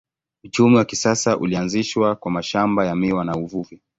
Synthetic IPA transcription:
ut͡ʃumiwakisasaʔṵlianziʃwakwamaʃambajamiwanauvuvi

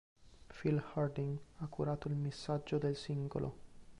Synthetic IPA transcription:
filhard̪iŋɡakʰːuɾaːt̪oilmisːad͡ʒːod̪elsiŋɡo̰lʔo̰

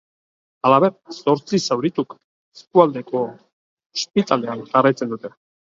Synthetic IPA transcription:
alaβesoɾt͡sisawɾit̪uk | eskuald̪eko | ʃpit̪ʼaleant̪arajt͡send̪ut̪e

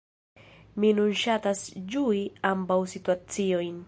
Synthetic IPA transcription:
minunʃatasd͡ʒuiambawsituat͡siojn

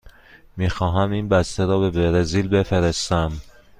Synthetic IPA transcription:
miːxɒːɦæmiːnbæst̪eɾɒːbe̞beɾeziːlbe̞feɾest̪æm

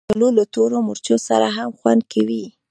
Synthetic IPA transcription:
əlolat̪oɾomʊɾt͡ʃosa̰ɾaɦamxwa̰nd̪̚kʰawi

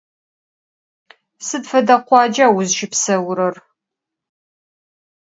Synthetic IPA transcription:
sɨdfɐdɐqʷɑːd͡ʒaːwʊzʃɪpsɐwɾɐr

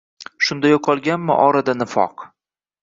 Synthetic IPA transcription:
ʃʊnd̪ajoqʰɒlˠɡʲanmɪ̰ʔɒɾad̪anɪfɒ̰q

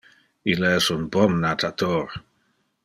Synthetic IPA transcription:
ilɛɛsunbɔmnat̪ʰat̪ʰoɾ

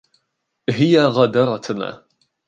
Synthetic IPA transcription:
ɦɪjaɣad̪ɑɾˤɑt̪na̰ː

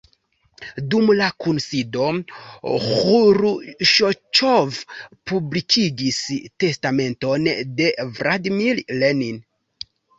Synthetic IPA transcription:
dumlakunsido̞ | huɾuʃot͡ʃovpublikʰiɡiste̞stame̞nto̞nde̞vɾadimillenin

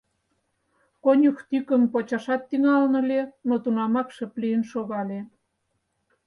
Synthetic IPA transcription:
konʲuxt̪ykəmpot͡ɕɑʃɑt̪ːiŋɑlnə̆lenot̪unɑmɑkʃə̆pliənʃoɣɑlʲe

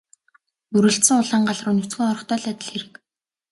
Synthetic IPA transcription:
puɾɘ̆ɬt̪sɘ̆ŋʊɮaːɴɢaɮrʊnut͡sɡĭŋɔɾɞ̆χt̪ʰœːɮat̪ɪ̆ɮxeɾɘ̆k

